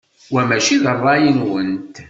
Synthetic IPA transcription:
wæmæʃiðərˤːɑjənwənt̪

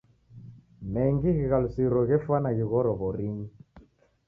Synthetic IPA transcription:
mɛŋɡiɣiɣalusiɾɔɣɛfwanaɣiɣɔɾɔβɔɾiŋi

